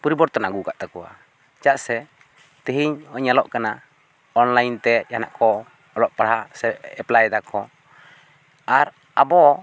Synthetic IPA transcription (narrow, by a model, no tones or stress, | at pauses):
pɔɾibɔɾt̪ɔnaɡukaʔt̪akɔwa̰ | t͡ʃaʔsɛ | t̪iɦiɲɔɲalɔʔkana | ɔnlajnt̪ɛjana̰ʔkɔ | ɔlɔʔpaɽhasɛɛplajd̪akɔ | aɾ | abɔ